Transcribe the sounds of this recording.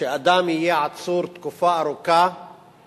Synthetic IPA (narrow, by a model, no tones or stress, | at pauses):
ɪʔad̪aːmijaʕat̪suːɾt̪kʊfaːʔɾʊkaː